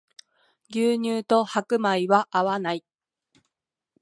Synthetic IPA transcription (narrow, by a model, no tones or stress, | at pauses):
ɡʲɨːɲ̟ɨːt̪o̞hakɯ̟maiβaʔaβanai